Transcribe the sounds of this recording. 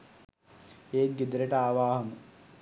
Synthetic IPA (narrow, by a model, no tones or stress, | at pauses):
eːt̪̚ɡid̪ɾeʈɐaːʋaːhɐmu